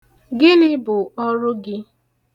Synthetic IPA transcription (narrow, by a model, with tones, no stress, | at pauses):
ɡɪ˦nɪ˦bʊ˨ɔ˦ɾʊ˦ɡɪ˦